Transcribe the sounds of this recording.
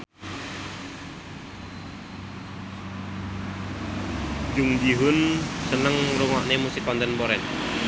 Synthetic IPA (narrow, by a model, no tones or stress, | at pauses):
d͡ʒʊŋd͡ʒiɦʊnsənəŋruŋɔʔnemusikɔnt̪ɛnpoɾɛn